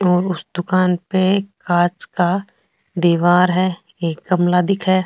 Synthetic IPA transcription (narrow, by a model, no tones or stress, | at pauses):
ɔːɾʊsd̪ʊkaːnpekaːt͡ʃka | d̪eːʋaːɾɦɛː | eːk̚ɡɐmlad̪ɪkʰɦɛː